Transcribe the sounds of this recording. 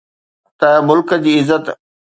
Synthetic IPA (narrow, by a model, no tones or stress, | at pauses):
t̪ɐmʊlkd͡ʑiːɪzːət̪